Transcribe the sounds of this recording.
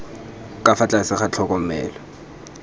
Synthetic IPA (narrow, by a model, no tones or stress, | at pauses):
kʼafat͡ɬʼasɪχat͡ɬʰɔkʼɔmɛ̰ːlɔ